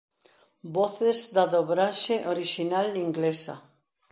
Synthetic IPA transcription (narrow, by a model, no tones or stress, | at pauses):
boθezd̪aðoβɾaʃeʔoɾiʃinaliŋɡlesa̰